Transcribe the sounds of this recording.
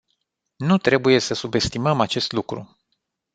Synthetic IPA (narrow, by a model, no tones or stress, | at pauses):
nut̪ɾe̞buje̞səsube̞st̪iməmat͡ʃe̞st̪lukɾṵ